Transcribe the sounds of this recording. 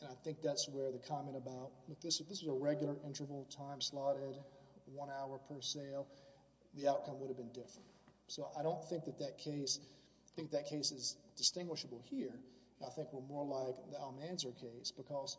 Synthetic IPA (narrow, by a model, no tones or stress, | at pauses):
ɨ̃naɪθɪ̃ŋk̚ðætswə˞ðɨkʰɑmɛ̃ɾ̃əbaʊt̚lʌk̚ðɪsðɪswʌzəɹɛɡjl̩ˠə˞ʔɪ̃ntə˞vl̩ˠtʰãɪ̃mslɑɾɪdwʌ̃naʊə˞pʰə˞seɪlˠ | ðiaʊt̚kʰʌ̃mwʊɾɨvbɨ̃ndɪfɹɨ̃nt̚ | soʊʔaɪɾõʊ̃nθɪ̃ŋk̚ðɨt̪̚ðɨt̚kʰeɪs | θɪ̃ŋk̚ðɨt̚kʰeɪsɨzd̥ɨstɪ̃ŋɡwɨʃəbl̩ˠhiɹ | naɪθɪ̃ŋkwə˞mɔɹlaɪkðialˠmæ̃nzə˞kʰeɪsb̥ɨkʰʌz̥